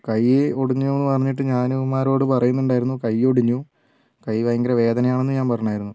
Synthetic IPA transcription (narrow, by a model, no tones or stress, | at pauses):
kɐjːeoɽiɲːuenːɨpɐrɐɲːiʈ̬ːɨɲaːnumːaːɾo̞ːɽɨpɐrɐjunːuɳɖaːjiɾunːukɐjːo̞ɽiɲːu | kɐjʋɐjɐŋɡɐɾɐʋe̞ːd̪ɐnɐjaːɳe̞nːɨɲaːnpɐrɐɲɐaːjiɾunːu